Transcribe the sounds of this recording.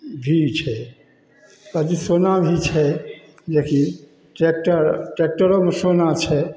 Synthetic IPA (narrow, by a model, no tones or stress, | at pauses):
bʱit͡ɕʰe | t̪ad͡ʒisonabʱit͡ʃʰe | d͡ʒekʰi | ʈek̚ʈaɾʈek̚ʈaɾomsonat͡ʃʰe